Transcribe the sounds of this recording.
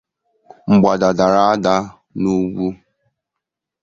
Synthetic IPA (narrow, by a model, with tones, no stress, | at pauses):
ŋ͡m̩˨ɡ͡ba˨da˨da˨ɾa˦a˦da˦ | nu˦ɡʷu˦